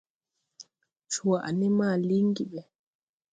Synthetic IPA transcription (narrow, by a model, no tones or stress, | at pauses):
t͡ʃuwaʔa̰nɛmaːliŋɡiɓɛ